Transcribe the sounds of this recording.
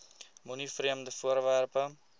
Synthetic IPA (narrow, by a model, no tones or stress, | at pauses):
munifriəmdəfuərværpə